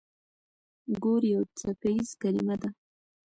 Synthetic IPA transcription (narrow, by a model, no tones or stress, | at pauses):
ɡoɾjawt͡sakaizkalɪmad̪a